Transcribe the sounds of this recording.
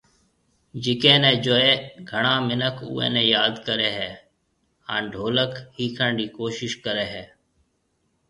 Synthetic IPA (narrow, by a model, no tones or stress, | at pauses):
d͡ʒɪkẽːnɛ̃ːd͡ʒoːeːɡʱəɳaːmɪnəkʰṵːḛ̃ːnɛ̃ːjaːd̪kəɾeːɦɛː | ãːnɖʱoːləkhiːkʰəɳɖiːkoːʃɪʃkəɾeːɦɛː